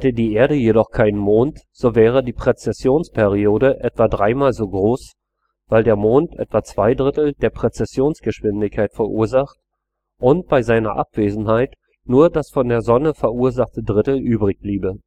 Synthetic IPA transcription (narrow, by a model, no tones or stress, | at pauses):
hhɛtədiːʔeːɐɾəjedɔχkʰaɪnənmoːntz̥oːvɛːʁ̞ədiːpʁ̥et͡sɛsjoːnspʰɛʁioːɾəʔɛtv̥adʁaɪmaːlzoːɡʁoːs | v̥aɪldeːɐmoːntʔɛ̰tv̥at͡sv̥aɪdʁɪtl̩deːɐpʁ̥et͡sɛsjoːnsɡ̥əʃv̥ɪndɪçkʰːaɪtfɛɐʔuːɐzaχt | ʔʊnt̚b̥aɪzaɪnɐ̰ʔa̰pv̥eːzn̩ɦaɪt | nuːɐdasfɔndeːɐzɔnəfɛɐʔuːɐzaχtədʁɪtl̩ʔyːbʁɪçb̥liːbə